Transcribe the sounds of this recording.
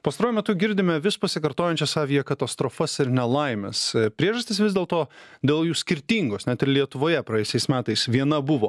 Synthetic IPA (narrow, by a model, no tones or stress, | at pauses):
pɐst̪ɐɾuːjʊmʲɛt̪ʊɡʲɪɾʲd̪ʲɪmʲɛʋʲɪspɐsʲɪkɐɾt̪oːjɛnʲt͡ʃʲɛsɑːʋʲijɛkɐt̪ɐst̪ɾoːfɐsɪɾnʲɛlˠɐɪmʲɛ̰spʲɾʲiɛʒɐst̪ʲɪsʋʲɪzd̪ʲeːlˠt̪oːd̪ʲeːlˠjuːsʲkʲɪɾʲt̪ʲiːŋɡoːsnʲɛt̪ɪɾlʲiɛt̪ʊʋoːjɛpɾɐjɛːjsʲɛɪsmʲæːt̪ɐɪsʋʲiɛnɐbʊʋoː